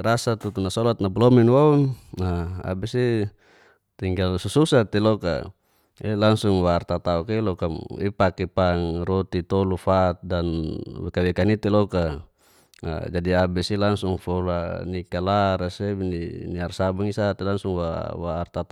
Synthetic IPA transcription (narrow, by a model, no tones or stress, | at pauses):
ɾasat̪ut̪unasɔlat̪̚nabulɔminwaunaa̰bɛsi | t̪iŋɡalsususat̪ɛlɔka̰ | ɛlaŋsuŋwaːrt̪at̪aukelɔkamḭpakɛpaŋrɔt̪it̪ɔlufat̪̚danwɛkawɛkanit̪ɛlɔka | a̰d͡ʒadiabɛsilaŋsuŋfɔlanikalaɾasɛniniarsabaŋisat̪ɛlaŋsuŋwa̰waːrt̪at̪